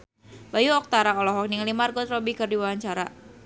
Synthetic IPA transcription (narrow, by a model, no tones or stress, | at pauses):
bajuɔk̚t̪aɾaɔlɔɦɔk̚niŋlimarɡɔt̪ɾɔbikɨrdiwawaɲt͡ʃaɾa